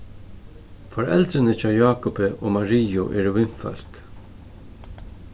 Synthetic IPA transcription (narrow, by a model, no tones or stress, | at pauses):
fɔɹɛ̰lt̪ɾɪnət͡ʃɑːjɑːkʊpəʔo̰ːmaɹiːʊʔɛːɾʋɪnfœ̰l̥k